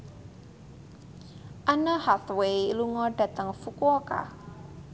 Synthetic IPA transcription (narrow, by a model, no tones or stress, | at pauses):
ʔanəhat̪weiluŋɔɖ̥a̤t̪əŋfukuɔka̰